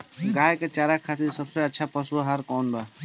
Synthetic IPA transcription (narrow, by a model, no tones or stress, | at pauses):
ɡaːjket͡ʃaːɾakʰat̪iɾsəbseətːʃʰapəsuɦaɾkɔːnɖa